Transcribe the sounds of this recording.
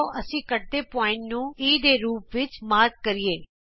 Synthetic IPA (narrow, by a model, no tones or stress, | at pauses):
ʔəsĩːkəʈ̚d̪eːpɔːɪ̃ɳʈnũːiːd̪eːɾuːpʋɪt͡ʃmaːɾɡ̚kəɾieː